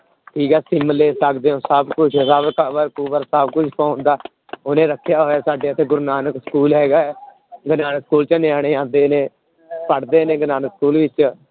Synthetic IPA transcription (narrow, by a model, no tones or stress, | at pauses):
ʈʰiːkɛːsɪmleːsəkd̪eːõːsəbkʊt͡ʃʰsəbkabəɾkuːbəɾsəbkʊt͡ʃʰpɔ̃ːnd̪aː | ʊnẽːɾəkʰːjaːɦoːjaːsaːɖeːət̪ʰeːɡʊɾnaːnəksə̥kuːlɦɛːɡaːɛ | ɡənaːnəkskuːlt͡ʃənɪaːɽ̃eːãːnd̪eːnẽː | pəɽd̪eːneːɡənaːnəkskuːlʋɪt͡ʃ